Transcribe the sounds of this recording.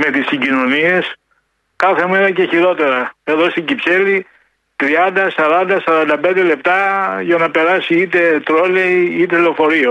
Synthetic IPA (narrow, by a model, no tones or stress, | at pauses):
me̞t̪isiɲɟino̞nie̞s | kɐθe̞meɾɐceçiɾo̞t̪e̞ɾɐe̞ðo̞st̪iɲɟipse̞li | t̪ɾiɐnd̪ɐsɐɾɐnd̪ɐsɐɾɐnd̪ɐpe̞nd̪e̞le̞p̚t̪ɐʝɐnɐpe̞ɾɐsiit̪e̞t̪ɾo̞le̞iit̪e̞lofo̞ɾio